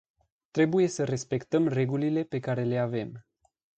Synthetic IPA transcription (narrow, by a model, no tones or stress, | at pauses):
t̪ɾe̞buje̞səɾe̞spe̞kt̪əmre̞ɡulile̞pe̞kaɾe̞le̞ave̞m